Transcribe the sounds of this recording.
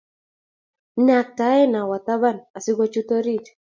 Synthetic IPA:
na˨k̚ta˨˦ɛ˦na˨wa˨t̪a˦ba˦˨na˨sɪ˦ɡɔ˦t͡ʃu˦to˦ɾi˦t

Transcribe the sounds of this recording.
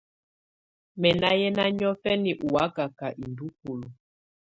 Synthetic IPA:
mɛ˨na˦jɛ˦na˦ɲɔ˦fɛ˦ni˨ʔu˨wa˨˦ka˨ka˨ʔi˨ndu˦ku˨lu˨

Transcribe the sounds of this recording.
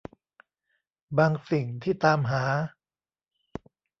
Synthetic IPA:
baː˧ŋsi˨˩ŋt̪ʰiː˥˩t̪aː˧mɦaː˩˦

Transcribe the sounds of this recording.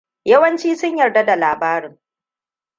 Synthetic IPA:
jɐ˦wɐ˦nt͡ʃiː˦sʊ˦ɲjɐ˨rda˦da˨laː˨baː˦ɾɪ˨˦ŋ

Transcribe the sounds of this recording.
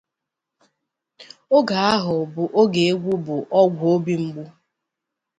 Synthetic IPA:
o˦ɡa˨a˦ɦʊ˨bʊ˦ʔo˦ɡe˨e˦ɡʷu˦bʊ˨ʔɔ˦ɡʷʊ˨o˦bi˦ŋ͡m̩˦ɡ͡bu˦

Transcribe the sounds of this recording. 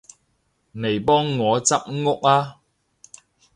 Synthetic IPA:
ne˨˩jpɔː˥ŋːɔː˨˧t͡sɐ˥p̚ŋʊ˥k̚aː˧

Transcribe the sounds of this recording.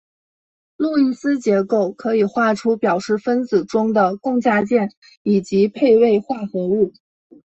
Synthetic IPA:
lu˥˧i˥˩sɹ̩˥t͡ɕjɛ˧˥ko˥˩ʊkʰɤ˧˥i˨˩xwa˥˩ʈ͡ʂʰu˥pjɑ˨˩ʊʂɻ̩˥˩fə˥nt͡sɹ̩˨˩ʈ͡ʂʊ˥ŋd̪ə˨kʊ˥˧ŋt͡ɕja˥˧t͡ɕjɛ˥˩n | i˨˩t͡ɕi˧˥pʰe˥˧ɪwe˥˧ɪxwa˥˩xɤ˧˥u˥˩

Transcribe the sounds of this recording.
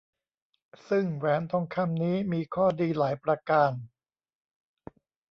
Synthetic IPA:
sɯ˥˩ŋwɛː˦˥nt̪ʰɔ˧˥ŋkʰa˧˥˩mniː˦˥miː˧kʰɔː˥˩diː˧laː˩˦jpɾa˧kaː˧n

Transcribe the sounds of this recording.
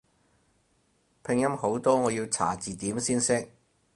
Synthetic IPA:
pʰɪ˨˧ŋjɐ˥mho˨˥wt̪ɔː˥ŋɔː˨˧jiː˧wt͡sʰa̰ː˨˩t͡siː˨t̪iː˨˥msiː˥nsɪ˥k̚

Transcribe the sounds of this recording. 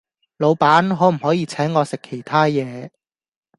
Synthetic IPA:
lo˨˧wpaː˨˥nɦɔː˨˥m̩˨˩hɔː˨˥jiː˨˧t͡sʰɛː˨˥ŋːɔː˨˧sɪ˨kʰːe˨˩jt̪ʰaː˥jɛː˨˧

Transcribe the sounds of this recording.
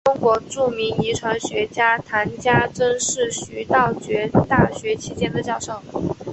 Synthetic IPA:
ʈ͡ʂʊ˥ŋkwɔ˧˥ʈ͡ʂu˥˩mi˧˥ŋi˧˥ʈ͡ʂʰwa˧˥nɕɥɛ˧˥t͡ɕja˥t̪ʰa˧˥nt͡ɕja˥ʈ͡ʂə˥nʂɻ̩˥˩ɕy˧˥t̪ɑ˥˩ʊt͡ɕɥɛ˧˥t̪a˥˩ɕɥɛ˧˥t͡ɕʰi˥t͡ɕjɛ˥nd̪ə˨t͡ɕjɑ˥˩ʊʂo˥˩ʊ

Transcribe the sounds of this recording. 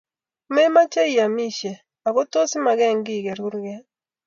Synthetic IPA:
mɛ˦ma˦t͡ʃɛ˦i˨a˨mi˦ʃe˨ | a˨ɡo˦to˦si˦ma˨ɡɛ˦˨ŋɡi˦˨ɡɛ˨ɾu˦ɾɡɛ˦

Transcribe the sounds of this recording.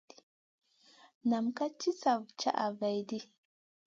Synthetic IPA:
na˨mka˦t͡ʃi˦sa˨vt͡ʃa̰˦ʔa˨va˨jdi˦

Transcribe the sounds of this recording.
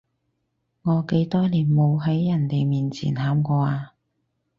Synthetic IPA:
ŋɔː˨˧ke˨˥jt̪ɔː˥liː˨˩nmo˨˧wɦɐ˨˥jːɐ˨˩nt̪e˨jmiː˨˩nt͡sʰḭː˨˩nhaː˨˥mkɔː˧aː˧

